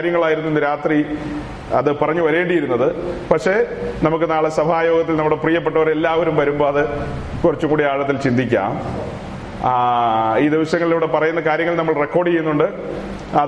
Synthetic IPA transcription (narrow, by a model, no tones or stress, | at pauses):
ɾjɐŋːɐɭaːjiɾunuenːɨɾaːt̪ri | ɐðɨpɐrɐɲːuʋɐɾe̞ːɳɖijiɾunːɐðɨpɐkʂe̞nɐmuk̬ːɨnaːɭesɐbʱaːjo̞ːɡɐt̪ːilnɐmːuɽeprijɐp̬ːeʈːɐʋɐɾe̞lːaːʋɐɾumʋɐɾumbo̞ːɐðɨ | kurɐt͡ɕːumŋkuːɽijaːɻɐt̪ːilt͡ɕind̪ʱikʲːa̰ːm | iːd̪iʋɐɕjɐŋːɐɭilɐʋiɽe̞pɐrɐjunːɐkaːɾjɐŋːɭilnɐmːɐɭrekːo̞ːɽijejunːuɳɖɨ | ɐ